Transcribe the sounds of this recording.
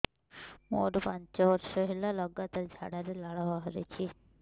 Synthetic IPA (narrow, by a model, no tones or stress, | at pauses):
mo̰ɖpant͡ʃɔbɔɾʃɔɦilalɔɡːat̪aɾd͡ʒʱa̰ɽaɾelaɭaʋaɦɔɾḛt͡ʃʰi